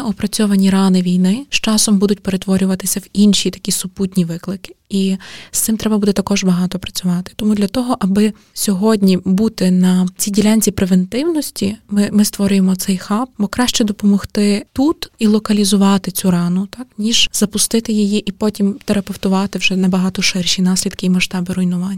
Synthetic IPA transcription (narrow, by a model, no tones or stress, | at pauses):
ʊpɾɐt͡sʲɔʋɐnʲirɑnɪʋʲijnɪʃt͡ʃɑsɔmbud̪ʊtʲpeɾe̞t̪ʋɔɾʲʊʋɐt̪ɪsʲɐwinʃit̪ɐ̥kʲisʊputʲnʲiʋɪklˠɪkɪ̥ist̪ɪmt̪ɾɛbɐbud̪ɛt̪ɐkɔʒbɐɦɑt̪ɔpɾɐt͡sʲʊʋɑt̪ɪ̥t̪ɔmud̪lʲɐt̪ɔɦɔʔɐbɪ | sʲɔɦɔdʲnʲibut̪ɪnɐt͡sʲidʲilʲanʲt͡sʲipɾeʋent̪ɪwnɔsʲtʲimɪmɪst̪ʋɔɾʲʊjemɔt̪sɛjxɑp̚bɔkɾɑʃt͡ʃɛd̪ɔpɔmɔxt̪ɪt̪ut̪ilˠɔkɐlʲizʊʋɑt̪ɪt͡sʲuɾɑnʊt̪ɑknʲiʒ̥z̥ɐpʊst̪ɪt̪ɪjijiʔipɔtʲimt̪eɾɐpewt̪ʊʋɑt̪ɪwʒɛnɐbɐɦɑt̪ɔʃɪrʃʲinɑsʲlʲid̪kɪimɐʃt̪ɑbɪɾɔjnʊʋɑnʲː